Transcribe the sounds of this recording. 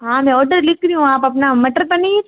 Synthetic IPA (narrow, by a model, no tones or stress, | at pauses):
ɦãːmɛ̃ɔːɾɖəɾlɪkɾiũaːpɐpnamɐʈəɾpɐni